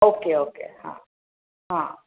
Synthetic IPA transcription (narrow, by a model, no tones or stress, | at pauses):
oːkeoːkḛhã̰ | ɦã